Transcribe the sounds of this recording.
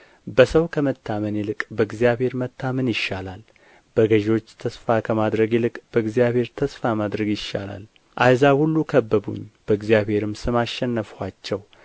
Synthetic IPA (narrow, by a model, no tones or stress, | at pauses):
bəsəwkʰəmət̪ʰːamənjɛlɨkʼbəɨɡzijabhe̞ɾmət̪ʰːamənjɪʃːalal | b̥əɡəʒo̞t͡ʃːt̪ʰəsfakʰəmad̪ɾəɡɛlɨkʼb̥əɨɡzijaβhe̞ɾt̪ʰəsfamad̪ɾəɡjɪʃːa̰la̰l | ʔajzahulːukʰəbːəbṵɲːb̥əɨɡzjabhe̞ɾɨmsɨmaʃːɛnːəfwat͡ʃːɛw